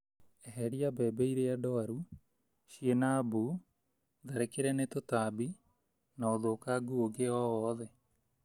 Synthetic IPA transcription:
ɛɦɛɾiabɛːbɛiɾeaɖɔaɾu | ʃienaːbu | ðaɾekeɾɛnet̪ot̪aːbi | naoðoːkaːɡuoɡeɔɔːðɛ

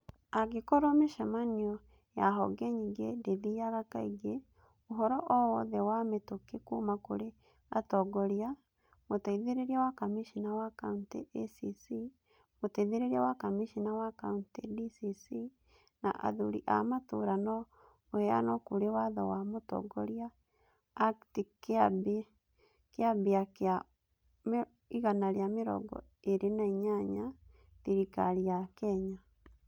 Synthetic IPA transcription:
aɡekɔɾɔmeʃamaniɔ | jaɦɔ̰ɡɛɲiɡedeðiaɣakaiɡe | oɦɔɾɔʔɔwɔðɛwametokekumakoɾe | a̰tɔɡɔɾia | motaiðeɾeɾiawakamiʃinawakauntesisi | motɛðeɾeɾiawakamiʃinawakauntediisi | na̰ʔa̰ðoɾiʔa̰matoɾanɔ | ohɛa̰nɔkuɾewaðɔ̰wamotɔ̰ɡɔɾiaː | ktikeabe | keabeaka | iɣanaɾeameɾɔ̰ɡɔ̰ | eɾenaiɲaɲa | tiɾikaɾiakɛɲa

